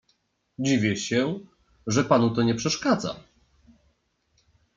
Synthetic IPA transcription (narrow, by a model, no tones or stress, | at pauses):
d͡ʑivʲjɛɕɛ | ʐɛpanut̪ɔɲɛpʂɛʂkad̪za̰